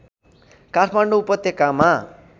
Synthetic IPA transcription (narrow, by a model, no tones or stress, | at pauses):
katʰmaɳɖoupʌt̪ːjekama